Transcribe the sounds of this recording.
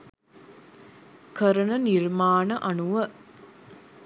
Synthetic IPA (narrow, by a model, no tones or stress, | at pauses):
kəɾənənirmaːnəʔanuʋə